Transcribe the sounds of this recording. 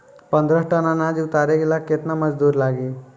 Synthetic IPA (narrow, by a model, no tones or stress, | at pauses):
pənd̪ɾəsʈənanad͡ʑiut̪aɾeɡilaket̪naməd͡zd̪uːɾlaɡiː